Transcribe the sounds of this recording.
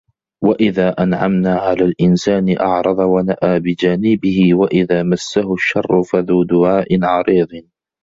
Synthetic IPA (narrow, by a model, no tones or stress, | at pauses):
waʔɪðaːʔanʕamnaːʕalaːlʔɪnsaːnɪʔɑ̰ʕɾˤɑðˤɑwanaʔaːbɪd͡ʒaːnɪbɪhɪwaʔɪðaːmasːahʊʃːɑrˤːʊfaðuːd̪ʊʕaːʔɪnʕɑɾiːðˤɨn